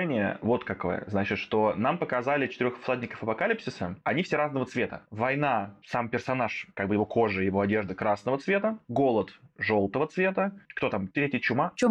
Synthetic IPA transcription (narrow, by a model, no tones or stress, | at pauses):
nʲɪjə̰vo̞t̪kɐko̞̰jə̰znat͡ɕɪt̪ʂt̪o̞nampəkɐzalʲɪt͡ɕɪ̥t̪ɪɾʲoxflˠadʲnʲɪkə̥fəpɐkalʲipsʲɪsɨɐnʲifsʲeɾaznəvət̪svʲe̞t̪ə̰vɐjn̪asampʲɪrsɐnaʂkaɡ̚bɨjɪvo̞kʰo̞ʐɨjɪvo̞ɐdʲe̞ʐd̪əkɾasnəvət̪svʲe̞t̪əɡo̞lˠət̪ʐo̞lˠt̪əvət̪svʲe̞t̪əkt̪o̞t̪amt̪ɾʲetʲɪjət͡ɕʊma